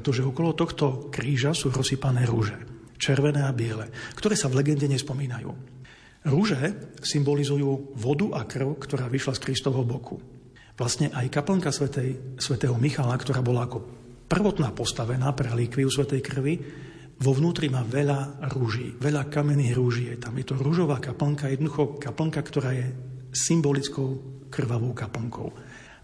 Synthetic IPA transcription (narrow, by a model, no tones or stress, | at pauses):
ɛt̪ɔʒɛɔkɔlɔt̪ɔxt̪ɔkɾiːʒasuːɾɔsiːpanɛːɾuʒɛ | t͡ʃɛrʋɛnɛːabɪɛlɛkt̪ɔɾɛːsaʋlɛɡɛnɟɛɲɛspɔmiːnajṵː | ɾuʒɛsimbɔlizujuːʋɔd̪uʔakr̩ʊkt̪ɔɾaːʋiʃlaskɾist̪ɔʋɛɦɔbɔkʰu | ʋlast̪ɲɛʔajkapl̩ŋkasɛsʋɛt̪ɛːɦɔmixalakt̪ɔɾaːbɔlaakɔ | pr̩ʋɔt̪naːpɔst̪aʋɛnaːpɾɛliːkʋiusʋɛt̪ɛjkr̩ʋi | ʋɔʋnuːt̪ɾimaːʋɛʎaɾuʒiːʋɛʎakamɛniːɣɾuʒɪɛt̪amjɛt̪ɔɾuʒɔʋaːkapl̩ŋkajɛd̪nɔd̪uxɔkapl̩ŋkakt̪ɔɾaːjɛsimbɔlit͡skɔʊkr̩ʋaʋɔʊkapl̩ŋkʰɔ̰ʊ